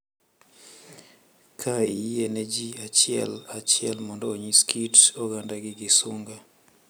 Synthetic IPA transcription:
kʰaienɛd͡ʒiat͡ʃɪɛ̰lat͡ʃɪɛlmɔndɔoɲiskʰitoɡandaɡɪɡɪsuŋɡa

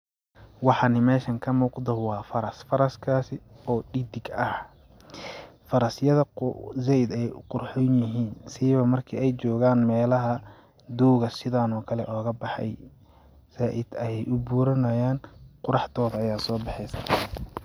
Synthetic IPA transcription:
wɑħɑnɪmɛːʃɐŋkʰɐmuːqd̪ɐwɑːfɐɾɐsfɐɾɐskʰaːsɪɔːɖɪd̪ɪɡɐh | fɐɾɐsjɐðɐzɛjd̪ɛjqʊrħɔnjɪɦiːnsiːβɐmɐrkʰiːɛjt͡ʃɔːɣaːnmɛːlɐɦɐ | d̪uːɣɐsɪðaːnɔːkʰɐlɛʔɔːɣɐbɑħɑ̰j | saːʔɪd̪ɐjɛjʔʊbuːɾɐnɐjaːnqʊɾɑħt̪ʰɔːðɐɐjaːsɔːbɑħɛjsɐ

